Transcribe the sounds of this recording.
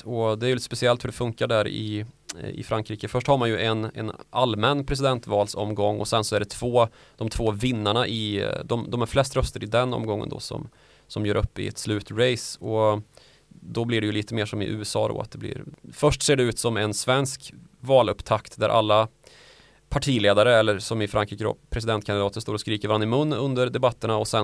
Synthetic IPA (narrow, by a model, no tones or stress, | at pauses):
ɔd̪ɛæɾjʏlɪt̪əspɛsɪɛlt̪hɵɖɛfɵŋkaɖæɾɪ̰ | ɪ̰fɾaŋkʰɾiːkəfœʂʈhaɾmanjɵʔɛnɛ̰nalmɛnːpʰɾɛs̬ɪd̪ɛnt̪vɑːlsɔ̰mɡɔŋːɔ̰sɛnsɔæɖɛt̪ʰv̥oː | d̪̥ɔmt̪ʰvoːvɪnːaɳaʔɪd̪ɔmd̪ɔmæɾflɛst̪ɾœst̪əɾɪd̪ɛnɔ̰mɡɔŋːə̰nd̪ɔ̰sɔ̰m | sɔmjœːɾɵpːɪ̰ɛ̰t̪slʉ̟ːt̪ɾeɪsɔ | d̪ɔblɪɖɛjɵliːt̪əmeːʂɔmɪ̰ʔʉ̟ːɛsɑ̰ːd̪o̰at̪̚d̪ɛblɪ̰ɾfœʂʈseːɖɛʉ̟ːt̪sɔmɛnsvɛnsk | vɑːlɵpːt̪ʰakt̪d̪æɾʔa̰lːa | pʰaʈʰiːleːd̪aɾəɛlːəɾʂɔmɪfɾaŋkɾiːkəd̪o̰ːpʰɾɛs̬ɪd̪ɛnt̪kʰanɪd̪ɑːt̪əst̪oːɾɔskɾiːkəɾvɾanːɪmɵnːɵnd̪əɾɖɛbat̪ːəɳaɔsɛ